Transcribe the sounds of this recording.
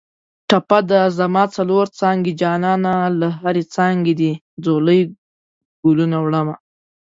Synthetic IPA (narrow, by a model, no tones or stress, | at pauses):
ʈapad̪azamɑt͡saloɾt͡sɑŋɡed͡ʒɑnɑnalaɦaɾet͡sɑŋɡed̪i | d͡zoləj | ɡulunawɽəma